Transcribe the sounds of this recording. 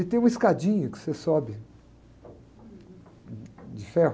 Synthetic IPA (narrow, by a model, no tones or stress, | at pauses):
ɪt̪ẽj̃ũiskad͡ʒĩɲʊkɪ̥sesɔbɪ | d͡ʒɪfɛɦʊ